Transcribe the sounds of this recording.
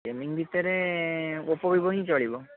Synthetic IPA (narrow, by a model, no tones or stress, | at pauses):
emiŋbʱit̪eɾe | opɔbʱibɔɦĩt͡ʃɔɭibɔ